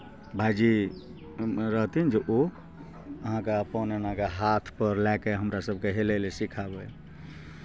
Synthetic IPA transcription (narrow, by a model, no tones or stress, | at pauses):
bʱajd͡ʒi | ɾəɦt̪ind͡ʒeʔo | əɦãkapɔnenãkeɦat̪ʰpəɾlɛkeɦəmɾasəbʱkeɦelelesikʰabəj